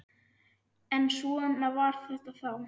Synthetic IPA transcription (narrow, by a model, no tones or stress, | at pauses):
ɛnsvɔanavaɾ̥θɛht̪aθaw